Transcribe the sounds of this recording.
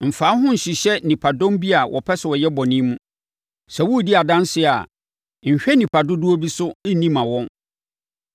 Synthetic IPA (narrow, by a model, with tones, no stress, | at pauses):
m̩˨fa˨˦ɦʊ̃˦n̩˨ɕi˨ɕɛ˦˨nĩ˨pʰa˨dɔ̃˦mbi˦a˨wʔɔ̰˨pʰɛ˦sɪ˨wɔ˨jɛ˦bɔ˨nĩ˦mũ˦ | sɛ˨wu˦˨di˦a˨dã˦nsɪ˦˨a̰˨ | ɲ̩˨ɕᶣɛ˦nĩ˨pʰa˨dʊ˦dʊ˦o˦bi˦sʊ˦nĩ˦mã˨wɔ̃˦n